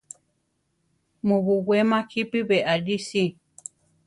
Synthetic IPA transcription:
mũβuwemãhipiβeʔaɾisi

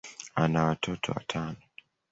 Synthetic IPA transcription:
anawatʰɔtʰɔ̰wa̰tʰanɔ

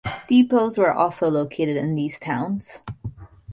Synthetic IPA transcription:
d̥ipoʊzwə˞ʔɔ̰lˠsoʊloʊkʰeɪɾɨɾɨ̃nðiz̥tʰãʊ̃nz̥

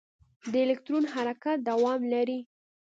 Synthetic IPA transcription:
d̪əelɪkt̪ɾonɦaɾakat̪̚d̪awɑmlaɾi

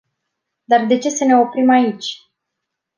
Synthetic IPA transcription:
d̪ard̪e̞t͡ʃe̞səne̞o̞pɾimait͡ʃʲ

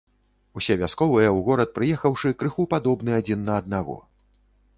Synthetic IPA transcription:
usʲɛvʲaskɔvɨjɛwɣɔɾɐt̪̚pɾɨjɛxɐwʂɨkɾɨxupad̪ɔbn̪ɨad͡zʲinːɐːd̪̚naɣɔ̰

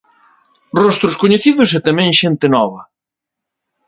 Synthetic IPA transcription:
rɔst̪ɾʊskoɲeθiðʊsɛt̪amɛ̃ŋʃent̪ɪnɔβɐ

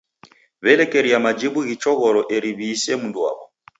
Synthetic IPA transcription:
βɛlɛkɛɾiamad͡ʒibuɣit͡ʃɔɣɔɾɔʔeɾiβiːsɛmunduwa̰βɔ

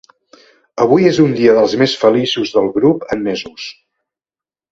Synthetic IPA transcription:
əβ̞ujezund̪iəðəlˠzmesfəlisuzðəlˠɣɾupəmmezus

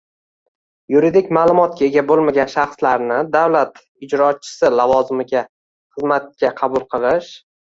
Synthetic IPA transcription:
jʊɾid̪ɪkʲmaːlˠʊmɒt̪̚kʲʰae̞ɡʲabolˠmaɡʲanʃɑχslaɾnɪd̪awlat̪ | ɪd͡ʒɾɒt͡ʃʰːɪ̥sɪlavɒzɪmɪɡʲa | χɨzmat̪̚kʲaqʰɑbʊlˠqʰɨlˠɪʃ

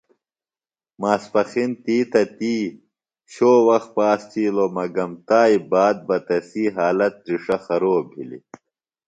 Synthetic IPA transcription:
maːspɐxint̪iːt̪ɐt̪iː | ɕoːwɐx̚paːst͡ɕiːlomɐɡɐmt̪aːibaːd̪̚bɐt̪ɐsiːɦaːlɐt̪̚ɾiʂɐxɐɾoːbʱḭlḭ

